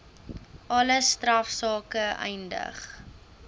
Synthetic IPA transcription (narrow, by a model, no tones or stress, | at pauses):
ʔɐləstrɐfsɑːkəɛ̰jndə̰χ